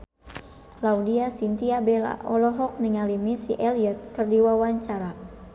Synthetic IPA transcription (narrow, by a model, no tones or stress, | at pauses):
laudiasint̪iabela̰ʔɔlɔɦɔk̚niŋalimisḭʔɛliət̪̚kɨrdiwawaɲt͡ʃaɾa